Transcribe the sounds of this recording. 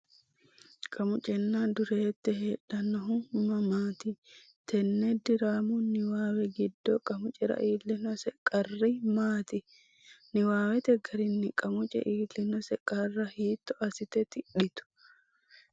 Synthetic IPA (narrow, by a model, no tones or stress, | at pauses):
kʼɐmʊt͡ʃʼɛnːaːd̪ʊɾeːt̪ːɛɦeːᶑɐnːɔɦʊmːɐmaːt̪ɪ | t̪ʰɛnːɛd̪ɪɾaːmunɪwaːwɛɡɪd̪ːoːkʼɐmʊt͡ʃʼɛɾɐ̰ʔiːlːɪnɔsɛkʼɐrːimaːt̪ɪ | nɪwaːwɛt̪ɛɡɐɾɪnːɪkʼɐmʊt͡ʃʼɛ̰ʔiːlːɪnɔsɛkʼɐrːɐhiːt̪ːɔʔɐsɪt̪ɛt̪ɪɗɪt̪ʊ̥